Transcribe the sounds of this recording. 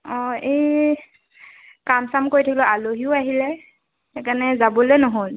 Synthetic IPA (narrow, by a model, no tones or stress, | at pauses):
ɔej | kamsamkojtʰakilɔʔaloɦiʊaɦilɛ | ɛkanɛzabɔlɛnɔɦol